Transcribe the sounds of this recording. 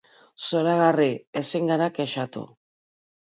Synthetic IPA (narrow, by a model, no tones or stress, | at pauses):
soɾaɣariesiŋɡaɾakeʃat̪ṵ